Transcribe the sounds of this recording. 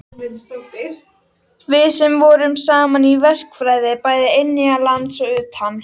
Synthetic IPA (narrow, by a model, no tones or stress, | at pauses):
vɪðsɛmvɔɾʏmsaːmanivɛr̥kfɾaːjðɪpaːjðɪenːɪalant̪sɔʏːt̪ham